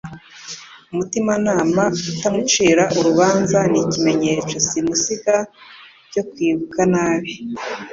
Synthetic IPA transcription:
umutimanaːmautamut͡ʃiːɾaʔuɾuβaːnzanicime̞ɲe̞t͡ʃosimusiɡaɾɟo̞kwiːβukanaːβi

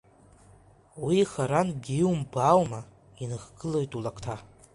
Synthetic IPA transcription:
wiχaɾanɡʲiwumbawma | inɨχɡɨlojtʼulakʰtʰa

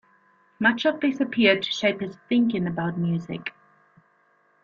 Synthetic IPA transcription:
mʌt͡ʃəvdɪsəpʰɪəd̚tʰə̥ʃeɪphɪz̥θɪ̃ŋkɪ̃ŋəbaʊt̚mjʉːzɪ̰k

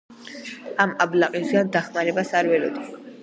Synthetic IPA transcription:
amablaqʼisɡand̪aχmaɾɛbasaɾvɛlɔ̰d̪i

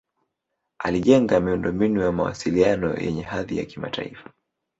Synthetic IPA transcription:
aliʄɛŋɡamiundɔmbinujamawa̰silianɔ̰jʔɛ̰ɲɛhaðija̰kima̰tʰaifḁ

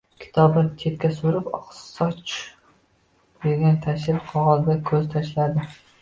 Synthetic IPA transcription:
kʲʰɪ̥t̪ʰɒbɪnt̪ʰe̞t̪̚kʲasoɾɪpɒ̰qsɒt͡ʃ | d̪eɡʲant̪ʰaʃ̬ɪɾqʰɒʁɒzd̪akʲʰɵz̥t̪ʰaʃlad̪ɪ

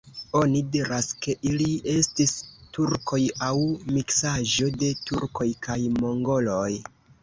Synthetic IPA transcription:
o̞nidiɾaske̞ʔilie̞stistuɾko̞jawmiksaʒo̞de̞tuɾko̞jkʰajmo̞ŋɡo̞lo̞j

